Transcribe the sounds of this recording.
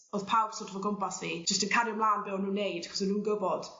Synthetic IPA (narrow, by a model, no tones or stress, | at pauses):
oːð̥pʰawb̥sɔtʰɔvɔɡɔmpasviːd͡ʒəstənkʰaɾjɔmlˠaːnbɛwnuːnːejdkʰɔ̥smɛnuːnɡəbɔd̥